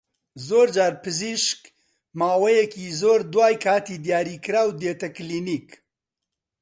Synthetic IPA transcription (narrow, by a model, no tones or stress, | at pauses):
zoːɾd͡ʒaːɾpɨziʃk | maːwɛjɛkiːzoːɾd̪waːjkʰaːt̪iːd̪ijaːɾiːkɨɾaːwd̪eːt̪ɐkliːniːk